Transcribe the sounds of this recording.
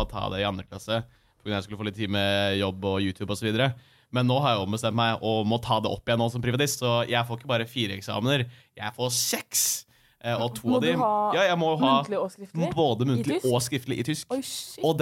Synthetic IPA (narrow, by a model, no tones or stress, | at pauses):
t̪ʰɑ̰ːd̪ɛɪɑnd̪ɾəkʰlɑ̰sə | pɔɡɾʉnɑjæɪskʉləfoːlɪt̪ʰːiːməjɔbːɔjʉːt̪ʰjʉːbɔsɔʋiːd̪əɾə | mɛnːoːhɑɾjæʊbəst̪ɛnmt̪mæɪɔmɔt̪ʰɑːd̪ɛʔɔ̰pːɪjɛnːoːsɔmpɾɪʋɑt̪ɪst̪sɔjʔæɪfoːɾɪkːəbɑːɾəfiːɾəɛksɑ̰ːmənəɾjæɪfoːsɛks | ɔt̪ʰuːɑd̪ɪjɑːjæɪmɔjʊhɑːɪboːd̪əmʉnt̪əlɪɔskɾɪft̪əlɪʔɪt̪ʰʏskɔd̪